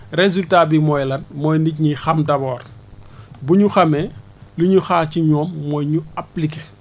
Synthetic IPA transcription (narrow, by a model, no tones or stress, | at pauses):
rezultaːbimɔjlɐnmɔjnicɲixɐmdɐbɔːr | buɲuxɐme | liɲuxaːciɲɔːmːɔjɲuaplike